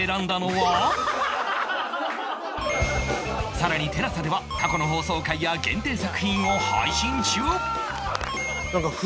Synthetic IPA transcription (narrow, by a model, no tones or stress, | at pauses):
eɾãnd̪ano̞βa | saɾaɲ̟it̪e̞ɾasad̪e̞βakako̞no̞ɦo̞ːso̞ːkaijaɡẽ̞nt̪e̞ːsakɯ̟çĩɰ̃o̞ha̰iɕĩɲt͡ɕɨː | nakaɸ